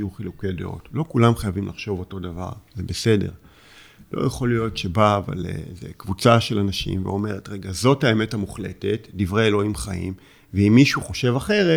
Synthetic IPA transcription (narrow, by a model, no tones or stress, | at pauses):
juχilukedḛo̰tlo̞kulamχajavimlʔaχʃo̞vo̞to̞dava̰ʁzebese̞de̞̰ʁ | lo̞̰jeχo̞lijo̞tʃe̞baːva̰lḛzḛkvut͡saʃe̞lanaʃḭmvḛo̞me̞ʁetʁe̞ɡazo̞thaeme̞tamuχle̞̰te̞tdivʁeːlo̞imχaḭm | veimːiʃuχo̞ʃe̞vaχe̞ʁe